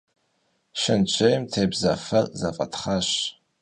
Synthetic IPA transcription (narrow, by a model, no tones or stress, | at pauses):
ʃɪnt͡ʃʷʰejmtʰeːbzɐfɐrzɐfʼɐ̰tχaɕ